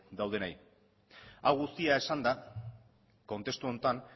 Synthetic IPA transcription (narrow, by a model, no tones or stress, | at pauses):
d̪awð̞e̞naj | awɣust̪iae̞sand̪a | ko̞nt̪e̞st̪uo̞nt̪an